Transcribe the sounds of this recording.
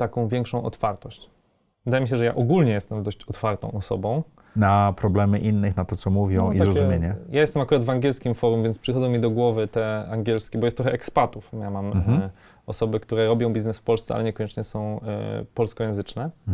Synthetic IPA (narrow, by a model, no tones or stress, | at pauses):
t̪akɔ̃w̃vʲjɛŋkʂɔ̃w̃ʔɔ̰t̪faɾt̪ɔɕt͡ɕ | vɘd̪ajɛmʲiɕ̬ɛʐɛja̰ʔɔɡulɲɛjɛst̪ɛmd̪ɔɕt͡ɕɔt̪faɾt̪ɔ̃w̃ʔɔsɔ̰bɔ̃w̃ | napɾɔblɛmɘʔinːɘxnat̪ɔt̪sɔmuvʲjɔ̃w̃izaɾɔzumjeɲɛjajɛst̪ɛmakuɾad̪vaŋɡʲɛlskʲimfɔɾumvʲɛnt̪pʂɨxɔd̪ɔ̃w̃mʲid̪ɔɡwɔvɘt̪ɛaŋɡʲɛlskʲɛbɔjɛst̪ɾɔxɛʔɛkspat̪ufjamam | ɔsɔbɘkt̪uɾɛɾɔbʲjɔ̃w̃bʲiznɛsfpɔlst̪sɛʔa̰lɛɲɛkɔɲɛt͡ʂɲɛsɔ̃w̰̃pɔlskɔjɛ̃w̃zɘt͡ʂnɛ